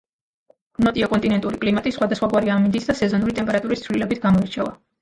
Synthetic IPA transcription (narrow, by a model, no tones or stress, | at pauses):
nɔt̪ʼiɔkʼɔnt̪ʼinɛnt̪ʼuɾikʼlimat̪ʼisχwad̪asχwaɡwaɾiamind̪isd̪asɛzɔnuɾit̪ʼɛmpɛɾat̪ʼuɾist̪sʰvlilɛbit̪ʰɡamɔiɾt͡ʃʰɛva̰